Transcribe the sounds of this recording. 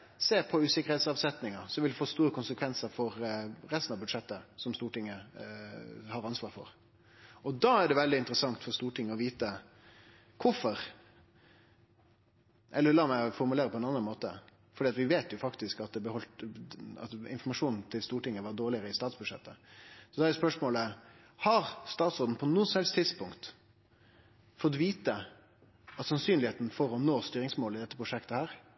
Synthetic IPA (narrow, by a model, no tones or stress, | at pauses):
seːɾpʰɔʉːsɪkəɾhɛːt̪sɑːʋsɛt̪nɪŋəsɔʋɪld̪ɛfoːst̪uːɾəkʰʊnsəkʰʋɛnsəɾfɔɾɾɛst̪n̩ɑʋbʉd̪ʂɛt̪ːəsɔmst̪uːʈɪŋːə | hɑɾɑnsʋɑːɾfɔ̰ɾ | ɔd̪ɑːæɖɛʋɛld̪ɪɪnt̪əɾəsɑŋt̪fɔɾst̪uːʈɪŋːəɔʋiːt̪ə | kʰʊfɔɾ | ʔɛlːəɾlɑːmæfɔɾmʉleːɾəpʰɔɛnɑnɑnmoːt̪ə̰ | fɔɖiːɑt̪ʋɪʋeːt̪jʊfɑkt̪ɪskɑt̪̚d̪ɛbəhɔlt̪ɑ̰t̪ɪ̰nfɔmɑʂuːnn̩t̪ʰɪlst̪uːʈɪŋːəʋɑɖoːɾɭɪəɾəɪst̪ɑːt̪sbʉʂɛ̰t̪ːəsɔd̪ɑːæɾʉspœʂmoːlə | hɑɾst̪ɑːt̪sɾoːd̪n̩pʰɔnuːəsɔmhɛlst̪ʰɪd̪spʊŋkt̪ | fɔt̪ʋiːt̪ə | ɑt̪sɑnsyːnlɪeːt̪n̩fɔɾɔnoːst̪yːɾɪŋsmoːlɪd̪ɛt̪ːəpɾʊʂɛkt̪əhæːɾ